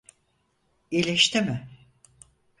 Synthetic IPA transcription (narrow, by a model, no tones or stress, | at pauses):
ilʲeʃt̪ʰɪmɪ